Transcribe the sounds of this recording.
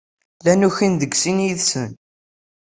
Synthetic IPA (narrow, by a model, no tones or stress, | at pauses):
lænuçind̪əɡsinjiðsən